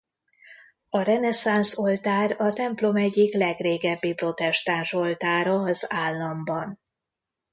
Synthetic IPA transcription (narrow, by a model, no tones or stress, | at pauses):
ɒɾɛnɛsanso̞lt̪aːrɒt̪ɛmplo̞mɛɟːiklɛɡreːɡɛbːipro̞t̪ɛʃt̪aːnʃo̞lt̪aːɾɒɒzaːlːɒmbɒn